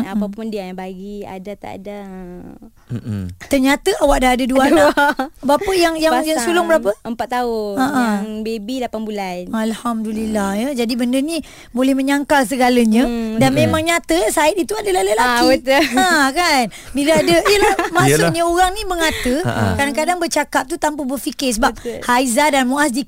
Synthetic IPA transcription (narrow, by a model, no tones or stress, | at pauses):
apapuəndiabaɡia̰dat̪a̰ʔda | t̪ərɲat̪əawaʔ̚daɦadəduaabapəjaŋjaŋjaŋsulʊŋbəɾapəəmpat̪ːaʊaʔəbebilapanbulanalhamdulilːahjəd͡ʒadibəndəni | bolɛhmə̃ɲaŋkals̬əɡaləɲə̃danmemaŋɲat̪əsaɪt̪it̪uadəlalalaiət̪əãkan | biləadəijəlahmasɲəoɾaŋnibəŋat̪əkɾadakadaŋbərt͡ʃakap̚t̪ut̪ampəbərfikɪs̬əbap̚haizadanmuas̬di